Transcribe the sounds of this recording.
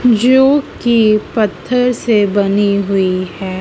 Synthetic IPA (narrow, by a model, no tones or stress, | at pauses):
d͡ʒoːkipɐt̪ʰːəɾsebɐniɦʊiɦɛː